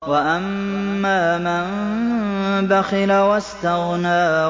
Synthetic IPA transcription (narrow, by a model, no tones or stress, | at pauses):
waʔamːaːman | baxɪlawast̪aɣnaː